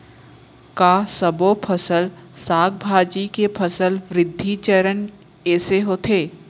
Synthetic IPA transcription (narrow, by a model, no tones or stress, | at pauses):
kaːsɐbopʰəsəlsaːɡ̚bʱaːd͡ʒikepʰəsəlʋɾɪd̪ʱːit͡ʃəɾən | ɛːseɦoːt̪ʰeː